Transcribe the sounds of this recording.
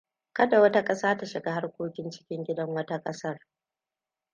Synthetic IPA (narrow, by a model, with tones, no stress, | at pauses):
kɐ˦da˨wɐ˦ta˦kʼɐ˦saː˦ta˦ʃɪ˨ɡaː˦ha˦rkʷoː˦kʲɪ˦nt͡ʃɪ̥˦kʲɪ˦ŋɡʲɪ˦dɐ˦ŋwɐ˦ta˦kʼɐ˦sɐ˦r